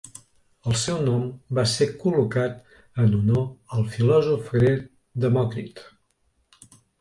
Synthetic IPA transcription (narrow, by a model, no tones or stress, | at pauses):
əlˠsɛwnɔmbasekulukat̪ | ənunoəlˠfilɔzufɾe | d̪əmɔkɾḭt̪